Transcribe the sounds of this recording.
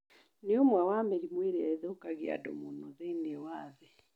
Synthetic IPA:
neomwawamɛɾimweɾeaeðokaɣea̰dɔ̰munɔðɛinewaːðɛ

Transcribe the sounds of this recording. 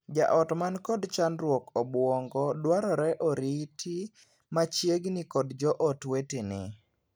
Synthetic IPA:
d͡ʒa̰ʔɔtmankɔdt͡ʃanɾwɔkɔbwɔŋɡɔdwaɾɔɾɛʔɔɾitʰi | mat͡ʃjeɡnɪkɔdd͡ʒɔʔɔtwetenɪ

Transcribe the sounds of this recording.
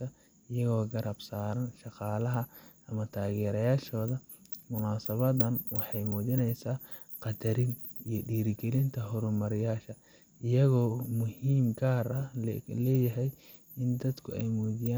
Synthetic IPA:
ɐ | ɪjɐɣɔːɡɐɾʔɐbsaːɾɐnʃɑqɑːlɐɦɐʔɐmɐt̪ʰaːɣɛːɾɐjaːʃɔːðɐ | mʊnaːsɐβɐd̪ɐnwɑħɑjmuːðɪnɛjsaː | qɑd̪ɐɾɪn | ijɔɖiːɾɪɡɛlɪnt̪ʰɐɦɔɾʊmɐɾɪjaːʃɐ | ʔɪjɐɣɔːmʊhiːmɡaːɾɐlɛːjɐɦɛj | ɪnd̪ɐd̪kʰʊɛjmuːðɪjaː

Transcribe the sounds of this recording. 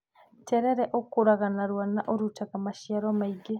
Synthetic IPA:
tɛɾɛɾɛʔokoɾaɣanaɾwanaʔoɾutaɣamaʃiaɾɔmaiɡe

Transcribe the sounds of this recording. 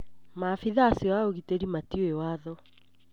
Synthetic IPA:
mafiðaːsijɔaoɣiteɾimatioewaðɔ

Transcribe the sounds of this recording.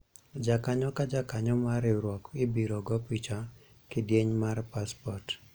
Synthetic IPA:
d͡ʒakaɲɔkad͡ʒakaɲɔmaɾɪɾwɔkɪbiɾɔɡɔpit͡ʃa | kɪdjeɲmarpaspɔrt

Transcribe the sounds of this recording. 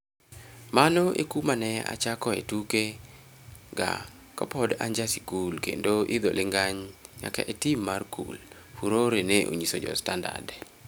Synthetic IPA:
manɔʔḛkumanɛa̰t͡ʃakɔḛtuke | ɡa̰ | kapɔda̰ɲd͡ʒasikulkḛndoʔid̪olɪŋɡaɲɲa̰ka̰ʔetimːarkṵl | fuɾoɾeneʔo̰ɲisod͡ʒɔ̰standa̰rd

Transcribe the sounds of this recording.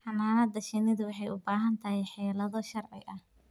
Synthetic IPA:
ħɑnːaːnɐd̪ɐʃɪnɪðʊwɑħɑjʊbaːɦɐnt̪ʰɐhɛjħɛːlɐðɔʃɐrʕɪ̰ʔɐh

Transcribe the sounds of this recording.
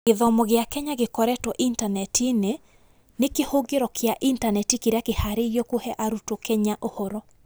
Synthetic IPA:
eðɔmɔɣeakɛɲaɣekɔɾɛtwɔʔintanɛtine | nekehoɡeɾɔkjaʔintanɛtikeɾeakehaɾejɔkohɛʔaɾutokɛɲaʔohɔɾɔ

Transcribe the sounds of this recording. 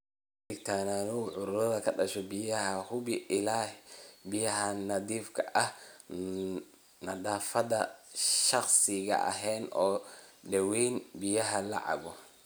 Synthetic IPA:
ɗɪɡt̪ʰaːnanɔʕʊɾɾɐðɐkʰɐɗɐʃɔbɪjɐhɐhʊbɪʔɪlaːhbɪjɐɦɐnɐd̪iːfkʰɐʔɐh | nɐɗaːfɐd̪ɐʃɐxsɪɣɐ̰ʔɐ̰ɦɛːnɔːɗɛwiːnbɪjɐɦɐla̰ʕa̰bɔ

